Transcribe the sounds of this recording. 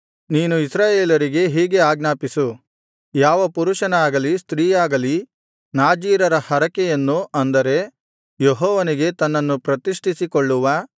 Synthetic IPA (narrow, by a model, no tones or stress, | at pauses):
niːnuisɾaːjeːlɐɾiɡe̞ɦiːɡe̞aːɡnaːpisu | jaːʋɐpuɾuʂɐnaːɡɐlist̪ɾiːjaːɡɐli | naːd͡ʒiːɾɐɾɐhɐɾɐkɛjɐnːuɐnd̪ɐɾe̞ | jeɦɔːʋɐniɡe̞t̪ɐnːɐnːupɾɐt̪iʂʈʰisikoɭːuʋɐ